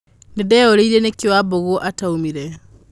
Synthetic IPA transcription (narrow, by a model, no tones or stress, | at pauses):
nedɛoɾeiɾenekewabɔɣoʔataumiɾɛ